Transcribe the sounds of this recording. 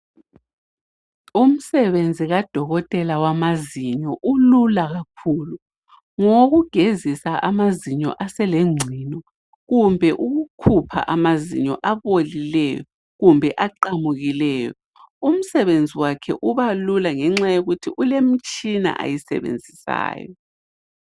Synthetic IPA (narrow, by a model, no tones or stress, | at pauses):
um̩sɛβend͡zʱiɣad̥ʱɔɣɔtʼɛlawamaziɲɔʔululaɣakʰuːlu | ŋoɣuɡ̥ʱezisaʔamaziɲɔ̰ʔasɛleŋ͡ǀʱinɔ | ɣumbʱɛʔuɣukʰupʰa̰ʔamazḭɲɔ̰ʔaβolilɛjɔ̰ | ɣumbʱɛʔaǃamuɣilɛːjɔ | um̩sɛβend͡zʱiwakʰɛ̰ʔuβalulaŋɛŋ͡ǁajoɣutʰiʔulem̩t͡ʃʼina̰ʔa̰jisɛ̰βḛnd͡zʱisa̰ːjɔ̰